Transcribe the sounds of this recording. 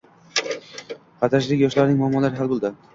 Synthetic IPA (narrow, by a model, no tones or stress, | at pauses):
qʰɑt̪ʰaʃ̬lɪkʲjɒʃlaɾnɪŋmʊamːɒlaɾɪɦalbolˠd̪ɪ